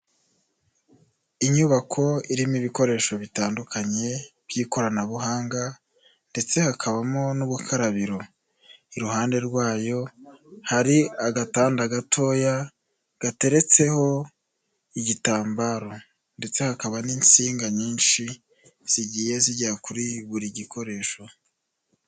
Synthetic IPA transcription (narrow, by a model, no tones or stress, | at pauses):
iɲuβakʰo̞iɾimiβiko̞ɾe̞ːʃo̞βitaːndukʰaɲe̞b̥jiːko̞ɾanaβuɦaːŋɡa | nde̞t͡se̞hakʰaβamonuβukʰaɾaβiɾo̞ | iɾuhaːnde̞ɾɡwaːjo̞haɾiaɡataːndaɡatʰo̞ːja | ɡ̥ate̞ɾe̞t͡se̞ho̞ | iɟitaːmbaɾo̞ | nde̞t͡se̞hakaβaniːnt͡siːŋɡaɲiːnʃi | z̥iɟiːje̞ziɟiɾakuɾiβuɾiɟikʰo̞ɾe̞ːʃo̞